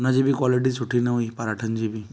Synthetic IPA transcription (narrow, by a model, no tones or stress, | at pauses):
nad͡ʒibʱikwɔliʈ̬isuʈʰineɦuipəɾaʈʰənd͡ʒibi